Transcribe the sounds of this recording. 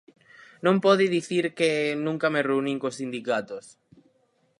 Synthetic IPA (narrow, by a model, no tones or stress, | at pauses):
nõmpɔðiðiθiɾkenũŋkamereunĩŋkossind̪ikat̪os